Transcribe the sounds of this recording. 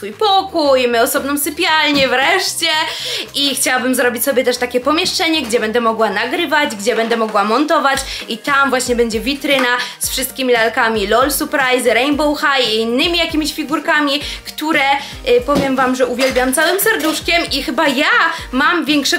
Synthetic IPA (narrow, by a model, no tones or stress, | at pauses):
fujpɔkujmɘɔsɔbnɔ̃w̃sɘpʲjalɲɛvɾɛʂt͡ɕɛʔixt͡ɕawabɘmzɾɔbʲit͡ɕʲsɔbʲjɛt̪ɛʂt̪akʲɛpɔmʲjɛʂt͡ʂɛɲɛɡd͡ʑɛbɛnd̪ɛmɔɡwanaɡɾɘvad͡ʑɡd͡ʑɛbɛnd̪ɛmɔɡwamɔnt̪ɔvat͡ɕit̪amvwaɕɲɛbɛɲd͡ʑɛvʲit̪ɾɘnasfʂɨst̪̚kʲimʲilalkamʲilɔlsupɾajzɾɛjmbɔwxajiːnːɘmʲijakʲimʲiɕfʲiɡuɾkamʲikt̪uɾɛ | pɔvʲjɛmvamʐɛʔuvʲjɛlbʲjamt̪sawɘmsɛɾd̪uʂkʲɛmʔixɘbajamamvʲjɛŋkʂɛ